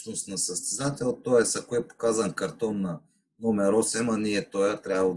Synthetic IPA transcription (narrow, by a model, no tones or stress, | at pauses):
nʊst̪nɐsəst̪ɛzat̪ɛlˠt̪ːojɛsɐkoɛpo̥kazɐnkɐɾt̪ɔnːɐ | nomɛɾɔsɛmɐniɛt̪ojat̪ɾʲjabvə